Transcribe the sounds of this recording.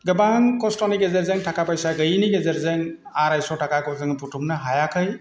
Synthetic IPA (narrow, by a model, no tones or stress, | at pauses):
ɡɯbaŋkɔstɔniɡezɐɾzeŋtʰakapajsaɡɯjniɡezɐɾzɯŋ | aɾajsɔtʰakakɔzɯŋpʰutʰumnaɦajakʰɯj